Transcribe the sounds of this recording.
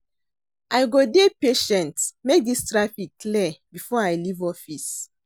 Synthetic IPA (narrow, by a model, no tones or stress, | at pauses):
ajɡodepeʃɛ̃ntmek̚distɹafikːlibifɔaɪlivɔfis